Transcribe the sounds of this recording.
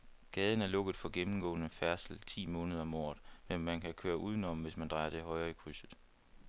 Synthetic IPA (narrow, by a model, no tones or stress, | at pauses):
ɡ̥ɛːð̞ˠn̩æɐlɔ̽ɡ̥ð̩ˠfɒ̽ɡ̥emm̩ɡ̥ɔ̰̽ːnəfæɐsl̩t͡sʰḭːmɔ̽ːnəð̞̩ˠɐmɒ̰ːɐðˠmenmænkʰækʰø̰ːɐʔuð̞ˠənɒ̽m̩ʋe̝smænd̥ʁɑ̈ɪɐd̥e̝ɦɒ̽ɪʁɐikʰʁysð̩ˠ